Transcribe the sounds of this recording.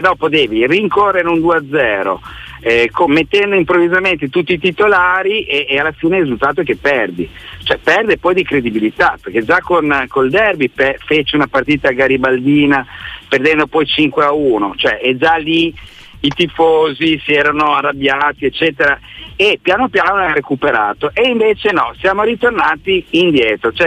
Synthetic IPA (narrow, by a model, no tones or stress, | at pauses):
d̪ɔːpod̪ɛːviriŋkorːeɾeund̪uːead̪zːɛːɾo̰ | ɛkomet̪ːɛnd̪oimpɾovːizament̪et̪ut̪ːiːt̪it̪olaːɾiʔeʔealːafiːnerizult̪aːt̪̬ok̟epːɛrd̪i | t͡ʃoɛpɛrd̪epɔjd̪ikɾed̪ibilit̪aperk̟ed͡ʒakonkold̪ɛrbipɛfet͡ʃeunapart̪iːt̪aɡaɾibald̪iːnaperd̪ɛnd̪opɔjt͡ʃiŋkweauːnot͡ʃoɛʔɛd͡ʒali | it̪ifoːzisiɛːɾanoarːabjaːt̪iet͡ʃːɛːt̪eɾaepːjaːnopjaːnoaɾekupeɾaːt̪oʔeiɱveːt͡ʃenɔsjaːmoɾit̪ornaːt̪iːnd̪jɛːt̪ɾot͡ʃoɛ